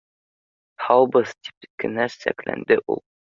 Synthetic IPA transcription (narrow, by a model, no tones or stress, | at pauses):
hʰɑwbɤð̥t̪i̥p̚kɘ̆næsæ̰klæ̰nd̪ɘʔṵlˠ